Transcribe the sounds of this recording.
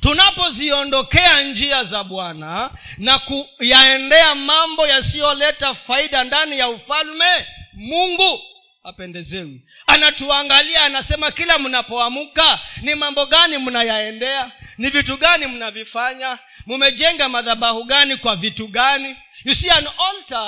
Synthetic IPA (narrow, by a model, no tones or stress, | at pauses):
tunapɔziɔndɔkɛand͡ʒiazaɓwananakujaɛndɛamambɔjasijɔlɛtafaiɗandanijaufalmɛmuŋɡu | apɛndɛzɛwi | anatuaŋɡaliaːnasɛmakilamunapɔamukanimambɔɠanimunajaɛndɛanivituɠanimunavifaɲa | mumɛʄɛŋɡamaðaɓahuɠanikwavituɠani | usianɔnta